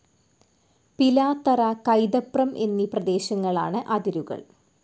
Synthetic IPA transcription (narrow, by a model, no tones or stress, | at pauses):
pilaːt̪ːɐɾakɐjd̪ɐprɐmʔe̞̰nːiprɐd̪e̞ːɕɐŋːɐɭa̰ːɳɨʔɐd̪iɾuɣɐ̰ɭ